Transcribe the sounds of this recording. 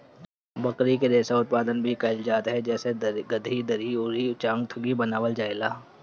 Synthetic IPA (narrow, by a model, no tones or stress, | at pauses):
bɐkɾikeɾeːsaʊt̪̚paːd̪ənbʱikaɪld͡ʒaːt̪ɦɛd͡ʒɛːseɡɐd̪ʱid̪ɐɾiʊɾiʊt͡ʃãːŋɡt̪ʰʊɡibɐnaːʋəld͡ʒaːelaː